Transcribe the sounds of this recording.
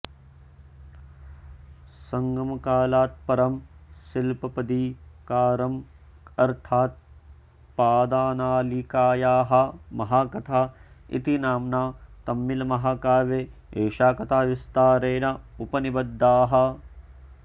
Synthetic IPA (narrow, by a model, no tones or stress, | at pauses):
sɐŋɡɐmɐkaːlaːt̪̚pɐɾɐmsilpɐpɐd̪ikaːɾɐm | ɐɾt̪ʰaːt̪̚ | paːd̪aːnaːlikaːjaːɦɐ̆mɐɦaːkɐt̪ʰaːḭt̪inaːmnaːt̪ɐmːilɐmɐɦakaːʋeeːʃaːkɐt̪ʰaːʋist̪aːɾeːnɐupɐnibɐd̪ːaːɦɐ̆